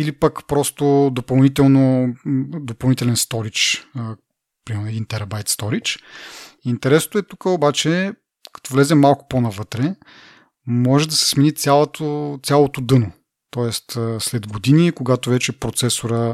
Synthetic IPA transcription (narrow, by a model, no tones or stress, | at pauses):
ilipɐkpɾɔst̪od̪opɐlˠnit̪ɛlˠno | d̪opɐlˠnit̪ɛlɛnst̪ɔɾit͡ʃə | pɾimɛɾnɛd̪int̪ɛɾɐbajt̪st̪ɔɾit͡ʃ | int̪ɛɾɛsnoɛt̪ukəobat͡ʃɛ | kɐ̥t̪ɔvlɛzɛmalˠkʊ̥ponɐvɤt̪ɾɛ | mɔʒɛd̪ɐsɛ̥sminit̪sʲjalˠt̪ot̪sʲjalˠot̪od̪ɤno | t̪ɔɛst̪əslɛd̪ɡod̪inikoɡat̪ovɛt͡ʃɛpɾot̪sɛsoɾə